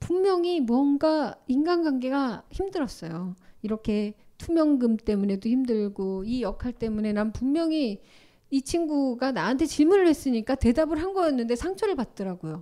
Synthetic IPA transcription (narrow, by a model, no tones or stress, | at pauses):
pummjʌŋimwʌnɡainɡanɡwaŋɡe̞ɡaçimdɯɾʌs͈ʌjoiɾʌkʰe̞tʰumjʌŋɡɯmt͈e̞mune̞doçimdɯɭɡoijʌkʰaɭt͈e̞mune̞nampummjʌŋi | it͡ɕʰiŋɡuɡanaɦantʰe̞t͡ɕiɭmunɯɭwe̞s͈ɯɲik͈ate̞dabɯɭɦanɡʌjʌnːɯnde̞sʰaŋt͡ɕʰʌɾɯɭpat̚t͈ʌɾaɡojo